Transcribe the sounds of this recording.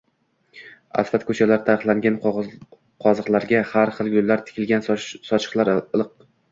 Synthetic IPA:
a̰sfat̪kʰɵt͡ʃʰalaɾt̪ʰaɾɨχlˠaŋɡʲan | qʰɒzɨqlˠaɾɡʲahaɾχɨlˠɡʊlːaɾt̪ʰɪ̥kʲʰɪlɡʲansɒt͡ʃʰɨ̥qlˠaɾɨlˠɨq̚

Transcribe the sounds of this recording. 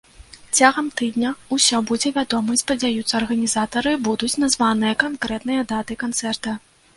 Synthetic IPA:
t͡sʲaɣɐmt̪ɨd̪nʲɐusʲɔbud͡zʲɛvʲad̪ɔmɨspɐd͡zʲajut̪sːɐːrɣɐnʲizat̪ɐɾɨbud̪ut͡sʲnazvanɨjɐkankɾɛt̪nɨjɐd̪at̪ɨkant̪sɛrt̪ɐ

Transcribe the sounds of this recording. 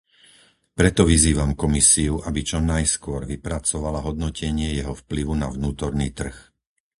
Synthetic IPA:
pɾɛt̪ɔʋiziːʋamkɔmisiuʔabit͡ʃɔnajskʊɔɾʋipɾat͡sɔʋalaɦɔd̪nɔcɛɲɪɛjɛɦɔfpliʋunaʋnuːt̪ɔɾnḭːt̪r̩x

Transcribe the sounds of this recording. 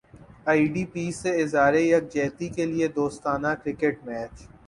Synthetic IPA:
aːiɖiːpiːsːeɪzaːɾejɐk̚d͡ʒɛːt̪ikelied̪oːst̪aːnakɾɪkeʈmɛːt͡ʃ

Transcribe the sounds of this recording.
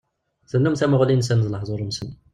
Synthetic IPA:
θənːumθæmʊʁlins̬ænəzˤləħzˤoɾəmsən

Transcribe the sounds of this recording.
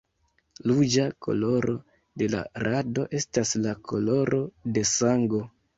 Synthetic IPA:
lud͡ʒakʰo̞̰lo̞ɾʔo̞ | de̞la̰ɾado̞ʔe̞staslakʰo̞lo̞ɾo̞de̞saŋɡo̞

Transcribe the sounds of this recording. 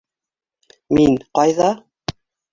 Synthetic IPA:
minqɑjðɑ

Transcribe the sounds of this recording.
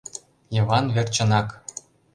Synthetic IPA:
jɤ̆vɑnvʲĕrʲt͡ɕɤ̆nɑk

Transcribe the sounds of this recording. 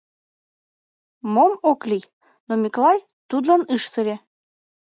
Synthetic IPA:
momoklʲij | nomʲiklˠɑj | t̪ud̪lɑnɨʃsəɾʲe

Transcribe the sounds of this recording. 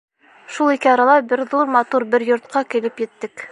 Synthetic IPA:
ʃulˠikɘɑɾɑlˠɑbɘɾðuɾmɑt̪uɾbɘɾjŏɾt̪̚qɑkĭlɘpjɘ̆t̪ːɘk

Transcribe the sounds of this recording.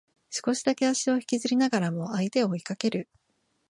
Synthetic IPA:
sɨ̥ko̞ɕid̪ake̞aɕio̞çi̥kʲizɨɾʲinaɡaɾamo̞ait̪e̞o̞ikake̞ɾɯ̟

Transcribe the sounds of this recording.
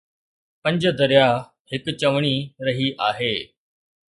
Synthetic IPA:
pɐ̃ɲd͡ʑd̪əɾja | hɪkt͡ɕɐʋɳ̃iːɾəɦiːʔaːɦeː

